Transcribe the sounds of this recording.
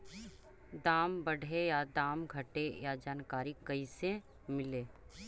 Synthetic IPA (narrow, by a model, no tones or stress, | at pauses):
d̪aːmbɐɽʱejad̪aːmɡʱɐʈejad͡ʒaːnkaːɾikɐise | mɪleː